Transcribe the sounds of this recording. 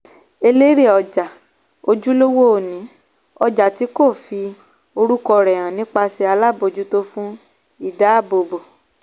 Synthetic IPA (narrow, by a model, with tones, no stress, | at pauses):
e˧le˦ɾe˦˨ɔ˨d͡ʒa˨ | o˧d͡ʒu˦lo˦wo˦o˨nĩ˨˦ | ɔ˧d͡ʒa˨ti˨˦ko˦˨fi˧ | o˧ɾu˦kɔ˧ɾɛ˨ɾ̃ã˨nĩ˨˦k͡pa˧si˧a˧la˦bo˧d͡ʒu˦to˦fũ˦ | i˦˨da˨˦a˦˨bo˧bo˨